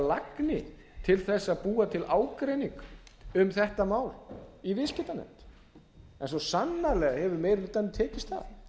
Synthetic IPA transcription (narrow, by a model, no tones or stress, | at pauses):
laknɪ | t̪ʰɪlθɛsːaðpuːat̪ʰɪlʔaːwkɾejniŋkʏmθɛht̪amaːwlivɪscɪt̪anɛ̰m̥t̪ | ɛnsɔsanːalɛɣahɛvʏmɛːjɾɪlt̪anɪt̪ʰɛːcɪst̪θa̰ð